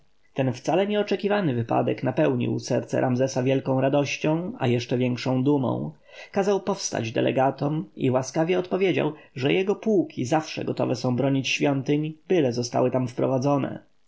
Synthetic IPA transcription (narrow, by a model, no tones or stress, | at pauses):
t̪ɛnft̪salɛɲɛɔt͡ʂɛkʲivanɘvɘpa̰d̪ɛknapɛwɲḭwsɛɾt̪sɛ̰ɾʔamzɛsavʲjɛlkɔ̃w̃ɾad̪ɔɕt͡ɕɔ̃w̃a̰jɛʂt͡ʂɛvʲjɛŋkʂɔ̃w̃d̪umɔ̰̃w̃ | kazawpɔfst̪a̰d͡ʑd̪ɛ̰lɛ̰ɡat̪ɔmiwaskavʲjɛɔt̪pɔvʲjed͡ʑa̰wʐɛjɛɡɔpuwkʲʰizafʂɛ̰ɡɔt̪ɔ̰vɛsɔ̃w̃bɾɔɲit͡ɕɕfʲjɔnt̪ɘɲb̥ɘlɛzɔst̪a̰wɘt̪amfpɾɔvad̪zɔnɛ̰